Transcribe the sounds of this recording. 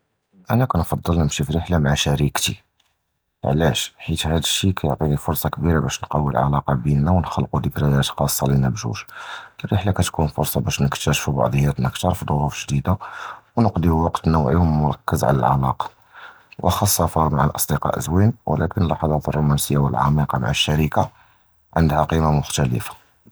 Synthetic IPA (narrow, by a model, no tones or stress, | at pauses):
ʔænækunfɑd̪ˤːəlnəmʃifɾəħlamaʕaʃæɾikt̪ḭ | ʕlæʃħit̪hæd̪əʃːikæjoʕt̪ˤinifʊɾˤsˤɑkbiɾabæʃnqɑwːḭlʕɑ̰lɑqɑbinːæwnxəlːqud̪əkɾæjæt̪xɑsˤːɑlinəbʒṵʃərəħlakæt̪kunfʊ̰ɾsˤɑbæʃnəkt̪æʃfibɑ̰ʕd̪ˤjæt̪nəkt̪ɑɾəfd̪ˤoɾufʒd̪id̪awnəqd̪iwɑqt̪nəwʕiʊmːʊɾˤɑkːəzʕa̰læ̰lʕa̰lɑ̰qɑ̥ | wʔə̰xɑsˤːɑfɑmaʕalʔɑsˤd̪iqɑ̰ʔə̰zwinwə̰lækənlːɑħɑd̪ˤɑt̪ərˤːomænsəjːawəlʕɑ̰miqɑma̰ʕaʃːæɾika | ʕənd̪hæqimamʊxt̪ælə̰fḁ